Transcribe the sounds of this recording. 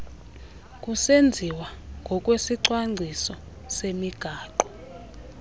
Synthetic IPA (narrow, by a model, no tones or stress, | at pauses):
k̬ʼusend͡zʱiwaŋɡʱɔkʼwesiǀwaŋ͡ǀʱisɔ | semiɡ̥ʱaːǃɔ